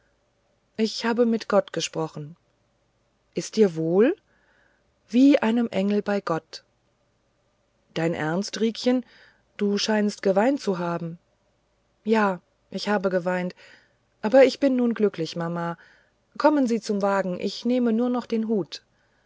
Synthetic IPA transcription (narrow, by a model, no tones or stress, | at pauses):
ʔɪçhaːbəmɪtɡ̥ɔtɡ̥əʃpʁ̥ɔχn̩ | ʔɪst̚d̥iːɐvoːl | v̥iːʔaɪnəmʔɛŋl̩baɪɡɔt | d̥aɪnʔɛ̰ɐnstʁiːkçən | d̥uːʃaɪnstɡ̥əvaɪntt͡suɦaːbm̩ | jaː | ʔɪçhaːbəɡəvaɪnt | ʔaːbɐɪçb̥ɪnːuːnɡlʏklɪçmamaː | kʰɔmənziːt͡sʊmvaːɡŋ̩ʔɪ̰çneːmənuːɐnɔχd̥eːnɦuːt